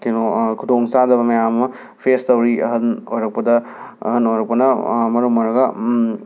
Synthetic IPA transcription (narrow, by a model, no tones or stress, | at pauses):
kenokʰudoŋsadɐbɐmɐjamɐ | pʰestɐwɾiɐ̰ɦɐnojɾɐk̚pɐdɐɐ̰ɦɐnojɾɐk̚pɐnɐmɐɾumɐɾɐɡɐ